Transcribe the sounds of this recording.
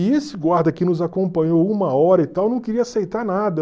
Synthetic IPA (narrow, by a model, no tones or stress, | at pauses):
ɪesɪɡwaɾd̪ɐkɪnʊzakõpɐ̃ɲowumɐɔɾɐɪt̪awnɐ̃w̃keɾiɐasejt̪aɾnad̪ɐ